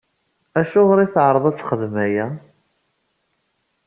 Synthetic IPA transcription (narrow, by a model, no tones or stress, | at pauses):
æʃʊʁɾˤiθʕɾˤəðˤæt͡sːχəðmæjæ